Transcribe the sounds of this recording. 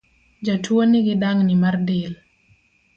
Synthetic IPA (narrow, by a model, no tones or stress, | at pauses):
d͡ʒatʰwonɪɡɪdaŋnɪmardɪl